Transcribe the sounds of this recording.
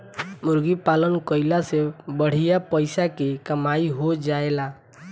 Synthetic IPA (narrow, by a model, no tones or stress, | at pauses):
muɾɡipalənkəɪlasebəɽ̤ijapəɪsakekəmaiɦod͡ʒaela